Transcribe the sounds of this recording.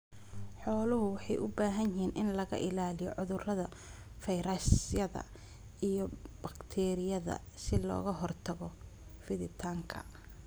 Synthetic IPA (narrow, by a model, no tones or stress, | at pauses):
ħɔːlʊɦʊwɑħɑjʔʊbaːɦɐnɪɦiːnʔɪnlɐɣɐ̰ʔɪlaːlɪjɔʕʊðʊrɐðɐ | fɐjɾɐsjɐðɐ̰ | ijɞbɐkt̪ʰɛːɾɪjɐðɐ̰ | sɪlɔ̰ːɣɐɦɔrt̪ʰɐɣɔfɪðɪt̪ʰaːŋkʰɐ̰